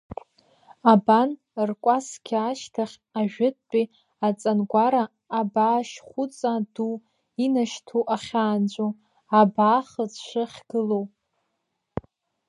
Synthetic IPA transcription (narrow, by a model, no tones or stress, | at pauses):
aban | rkʷʼaskʲʰːʃtʰaχʲ | aʒᶣɪt̚ʰʼt͡pʼi | at͡sʼanɡʷaɾaː | baːʃχʷut͡sʼadu | inaʃtʰuʔaχʲaːnd͡ʒʷʼo | abaːχəzʂɨχʲɡ̥ɨlow